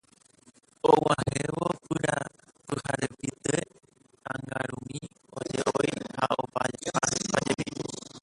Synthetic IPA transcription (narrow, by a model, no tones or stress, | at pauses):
owãhẽʋopɨɾa | pɨhaɾepit̪e | ãŋɡaɾũmĩ | od͡ʒeʔojhaopad͡ʒeʔapad͡ʒepiu